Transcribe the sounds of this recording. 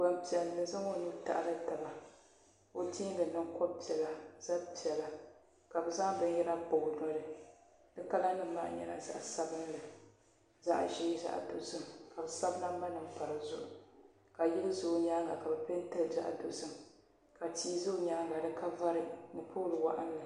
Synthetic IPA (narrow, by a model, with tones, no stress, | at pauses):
ba˨mpi˨ɛ˨lnɨ˨nza˦ŋo˦nu˦ta̰˨ʔa̰˨la˦ta˨ba˨ | o˦tiː˦lɨ˨nɨ˦ŋkɔ˦bpi˨ɛ˨la˨z̥a˦pi˨ɛ˨la˨ | ka˨bɨ˨za˦ŋ˦bɨ˦ɲ˦jɛ˦la˦bo˨ɡnɔ˦ɾɨ˨ | dɨ˦ka˦la˦nɨ˦m˦ma̰˦ʔɲɛ˦na˨za̰˨ʔsa˦bɨ˦n˦lɨ˨ | za̰˦ʔʒeː˦za̰˨ʔdʊ̰˨ʔsɨ˨mka˨bɨ˨sa˦bla˦ba˦nɨ˨mpa˨ɾɨ˨zʊ˦ʔʊ˨ | ka˨jɛ˦lɨ˦zʊ˨˦ɲaː˦ɡa˨ka˨bɛ˨pe˦n˦tɨ˦ld͡ʒa̰˦ʔdʊ˨˦sɨ˨m | ka˨tiː˦zʊ˦˨ɲaː˦ŋɡa˨dɨ˦ka˦va˦ɾɨ˨n̩˨pʰoː˦lɨ˨wa̰˦˨ʔa̰˦nːɨ˨